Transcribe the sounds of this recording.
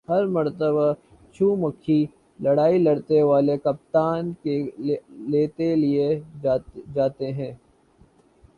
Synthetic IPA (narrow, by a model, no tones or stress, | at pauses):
ɦɐɾmɐɾt̪əβa | t͡ʃʰuːmɐkʰːi | lɐɽaːilɐɽt̪eʋaːlekɐp̚t̪aːnke | leːt̪elie | d͡ʒaːt̪eɦɛ̃ː